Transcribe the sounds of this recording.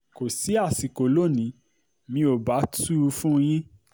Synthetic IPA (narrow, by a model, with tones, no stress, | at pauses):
ko˨si˨˦a˦˨si˨ko˨lo˦˨nĩ˨˦ | mĩ˧o˨ba˨˦tu˦u˧fũ˦j̃ĩ˦